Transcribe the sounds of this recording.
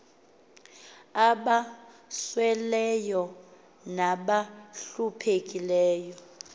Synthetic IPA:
aɓaswɛlɛjɔ | naɓaɬupʰek̬ʼilɛːjɔ

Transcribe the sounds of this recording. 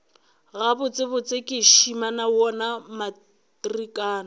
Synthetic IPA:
ɣabʊt͡sʼɪbʊt͡sʼɪkʼɪʃimanawɔnama | trikʼaːna

